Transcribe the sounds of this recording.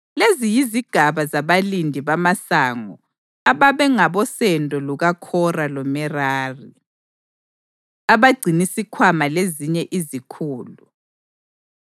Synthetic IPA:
lezijiziɡ̥ʱaβazaβalindʱiβamasaːŋɔ | aβaβɛŋaβɔsɛndʱʼɔluɣakʰɔralɔmɛraːri | aβaɡ͡ǀʱinisikʰwamaleziɲɛʔizikʰuːlu

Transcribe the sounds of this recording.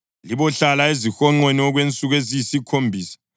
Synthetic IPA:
liβɔɬalaezixɔŋ͡ǃweniɔɣwent͡sʼuɣwezisikʰombʱiːsḁ

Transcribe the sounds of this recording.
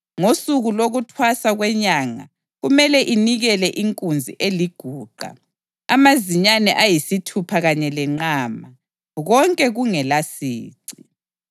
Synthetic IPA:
ŋosuɣuloɣutʰwasaɣwɛɲaŋa̰ | ɣumɛlɛʔiniɣɛlɛʔiŋkʼund͡zʱḭʔeliɡ̥ʱuːɡ͡ǃʱa̰ | amaziɲanɛʔajisitʰupʰaɣaɲɛlɛŋ͡ǃaːma | ɣɔŋkʼɛɣuŋɛlasiːǀi

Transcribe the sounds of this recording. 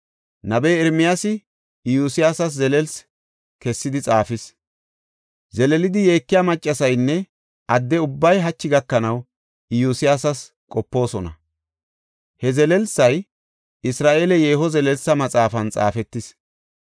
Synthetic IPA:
nɐbɛjɛɾmɪjasɪ | ɪjuːsɪjaːsɐs̬zɛlɛls | kɛsːɪd̪ɪt͡sʼaːfɪs | zɛlɛlɪd̪ɪjeːkːɪjamɐt͡ʃʼːɐsɐjnːɛ | ʔɐd̪ːɛʊbːɐjɦɐt͡ʃːɪɡɐkːɐnɐw | juːsɪjaːsɐs | kʼɔpːo̞ːsɔnɐ̰ | hɛzɛlɛlsɐj | ɪsɾaːʔeːlɛje̞ːɦɔzɛlɛlsːɐmɐt͡sʼaːfɐnt͡sʼa̰ːfɛt̪ːɪs

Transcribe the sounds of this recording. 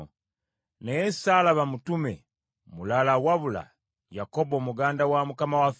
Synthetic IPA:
nejesaːlaβamutumḛ | mulalawaβula̰ | jako̞bomuɡaːndawamukamawaf

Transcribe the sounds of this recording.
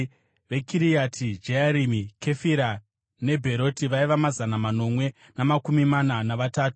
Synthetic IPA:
ʋe̞kiɾijatʰid͡ʒeaɾimikʰe̞fiɾa | ne̞bʱe̞ɾo̞tiʋaiʋamazanamano̞mwe̞ | namakumimananaʋataːtu̥

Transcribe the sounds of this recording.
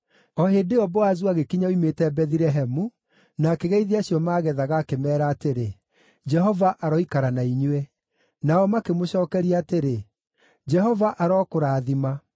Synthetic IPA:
ɔɦedeɔbɔazwaɣekiɲaoimetɛbɛðiɾɛɦɛmu | nakeɣɛiðeaɕjɔmaːɣɛðaɣaːkemɛːɾaːteɾe | d͡ʒɛɦɔvaʔaɾɔikaɾanaiɲwɛ | naɔmakemoɕɔːkɛɾiateɾe | d͡ʒɛɦɔvaʔaɾɔːkoɾaːðima

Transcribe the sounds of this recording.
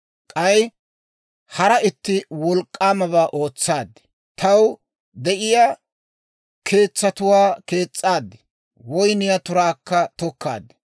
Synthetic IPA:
kʼɐj | hɐɾɐɪt̪ːɪwɔlkʼːaːmɐβaːʔoːt͡sːaːd̪ːɪ̥ | t̪ʰɐw | d̪ɛʔɪjaː | kʰe̞ːt͡sːɐt̪ʊwaːke̞ːt͡sʼːaːd̪ːɪ̥ | wɔjnɪjat̪ʊɾaːkːɐt̪ɔkːa̰ːd̪ːɪ̥

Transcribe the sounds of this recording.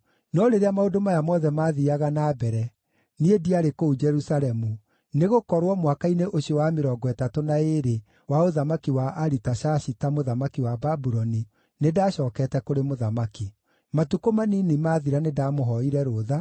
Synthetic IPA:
nɔɾeɾeamaodomajamɔðɛmaːðiaɣanaːbɛɾɛ | niediaɾekoud͡ʒɛɾusaɾɛmu | neɣokɔɾwɔmwakaineʔoɕiɔwameɾɔɡɔɛtatonaeɾe | waoðamakiwaʔaɾitaʃaɕitamoðamakiwababuɾɔni | nedaːɕɔːkɛtɛkoɾemoðamaki | matukomaninimaːðiɾanedamoɦɔiɾɛɾoːða

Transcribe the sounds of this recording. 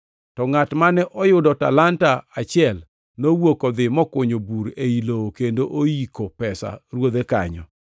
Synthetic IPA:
tɔŋatmanɛʔɔjʊdɔta̰lantaat͡ʃɪɛl | nowokɔd̪ɪmɔkʊɲobuɾeilookendoʔoikopɛsa̰ɾwod̪eka̰ɲɔ̰

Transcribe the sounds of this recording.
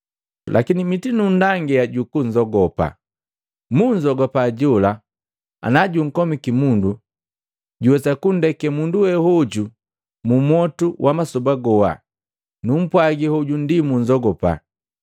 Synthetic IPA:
lʔa̰kinimitinundaŋɡɛaɟukuɲd͡ʒɔɡɔpa̰ | muɲd͡ʒɔɡɔpaɟɔla | a̰naɟuŋ̩kɔmikimundu | ɟuwɛsakundɛkɛmunduwɛhɔɟu | mumwɔtuwʔamasɔbaɡɔwa̰ | num̩pwaɡihɔɟundimuɲd͡ʒɔɡɔpa̰

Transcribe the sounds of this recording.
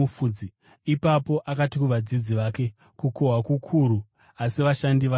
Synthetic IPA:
ufud͡zi | ipapo̞ʔakatikuʋad͡zid͡ziʋaːke̞ | kuko̞ɦakukʰuɾu | asiʋaʃandiʋa

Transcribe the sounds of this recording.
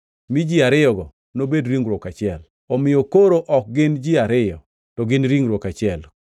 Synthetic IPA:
mid͡ʒiaɾɪjɔɡɔ | nobedɾiŋɾwɔkat͡ʃɪɛl | ɔmɪjɔkoɾoʔɔk̚ɡɪnd͡ʒiaɾɪjɔ | tɔɡɪnɾiŋɾwɔkat͡ʃɪɛl

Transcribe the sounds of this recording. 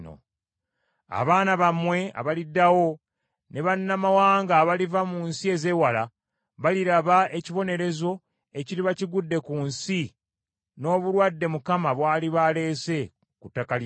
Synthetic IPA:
no̰ | a̰βaːnaβamwe̞a̰βalidːawo̞ | ne̞βanːamawaːŋɡaːβalivamunsie̞ze̞wala | βaliɾaβae̞ciβo̞ne̞ɾe̞zo̞ | e̞ciɾiβaciɡudːe̞kuːnsi | no̞ːβuɾwadːe̞mukamaβwaːliβale̞ːse̞ | kutːakal

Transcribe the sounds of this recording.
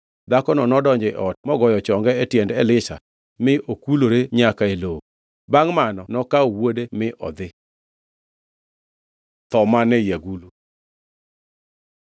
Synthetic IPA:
d̪akɔnɔnɔdɔɲd͡ʒɪʔɔt̚mɔɡɔjɔt͡ʃɔŋɡɛɛtjɛndɛlɪʃa̰ | mɪʔokuloɾeɲakaelo | baŋmanɔnɔkaowodemɪʔɔ̰d̪ɪ | t̪ɔmanɛjaɡulu

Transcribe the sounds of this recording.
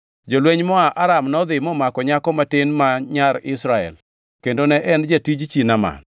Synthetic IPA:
d͡ʒolweɲmɔaʔaɾamnɔd̪ɪmɔmakɔɲakɔmatɪnmaɲaɾɪsɾaɛ̰l | kendonɛʔɛnd͡ʒatid͡ʒt͡ʃinama̰n

